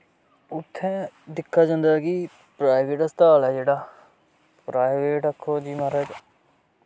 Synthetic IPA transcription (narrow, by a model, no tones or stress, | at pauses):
ʊt̪ʰːɛ̃ːd̪ɪkʰːaːd͡ʒãːnd̪aːki | pɾaːɪʋeːʈəst̪aːlɛːd͡ʒeːɽaː | pɾaːɪʋeːʈəkʰːoːd͡ʒiːmaɾəɡ